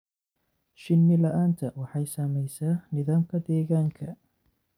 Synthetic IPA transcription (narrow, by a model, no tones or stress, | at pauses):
ʃɪnːɪlɐʔaːnt̪ʰɐwɑħɑjsaːmɛjsaːnɪðaːmkʰɐd̪ɛːɣaːŋkʰɐ